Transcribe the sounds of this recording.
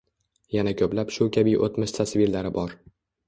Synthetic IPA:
janakʲʰɵplapʃʊkʲʰabijʔo̰t̪mɪʃt̪ʰasviɾlaɾɪbɒɾ

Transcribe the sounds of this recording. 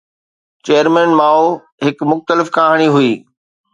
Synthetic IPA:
t͡ɕeːəɾmɛ̃ːnmaːu | ɦɪkmʊxt̪əlɪfkaːɦəɽ̃iɦʊiː

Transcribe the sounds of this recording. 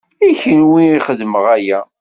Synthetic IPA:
içənwiiχəðməʁæjæ

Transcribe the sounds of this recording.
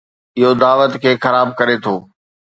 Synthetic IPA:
ɪɦod̪aːʋət̪kʰeːxɐɾaːb̚kɐɾet̪ʰoː

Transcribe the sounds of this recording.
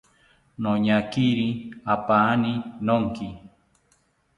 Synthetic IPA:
noɲakiɾiapaninoŋki

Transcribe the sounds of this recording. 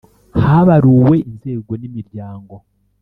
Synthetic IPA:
haβaɾuːwe̞inze̞ːɡo̞nimiɾjaːŋɡo̞

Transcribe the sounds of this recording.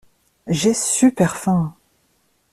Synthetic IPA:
ʒesypɛʁfɛ̃

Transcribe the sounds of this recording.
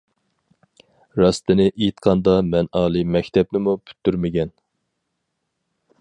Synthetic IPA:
ɾɑst̪ɪnɪʔejt̪qʰɑnd̪ɑmɛnɑːlˠɨmɛkʲt̪ʰɛpnɪmupʰy̥t̪ʰːyɾmɪɡʲɛn

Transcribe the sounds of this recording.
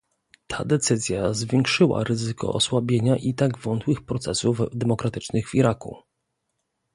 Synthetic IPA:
t̪ʰa̰d̪ɛt̪sɘzʲjazvʲjeŋkʂɘwa̰ɾɘzɘkɔ̰ʔɔswabʲjeɲaʔit̪aɡvɔnt̪wɘxpɾɔt̪sɛsufd̪ɛmɔkɾat̪ɘt͡ʂnɘɣviɾakṵ

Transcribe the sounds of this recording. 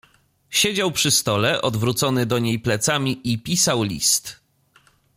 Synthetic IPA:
ɕed͡ʑawpʂɘst̪ɔlɛʔɔd̪vɾut̪sɔnɘd̪ɔɲejplɛt̪samʲiipʲisawlʲḭst̪

